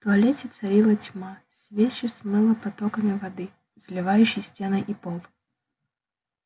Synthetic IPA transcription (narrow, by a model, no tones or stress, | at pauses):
ft̪ʊɐlʲetʲɪt̪sɐɾʲilˠɐtʲmasʲvʲet͡ɕɪsʲmɨlˠəpɐt̪ɔkəmʲɪvɐd̪ɨ | zlʲɪvajʉɕːɪjsʲtʲenəjʔipɔlˠ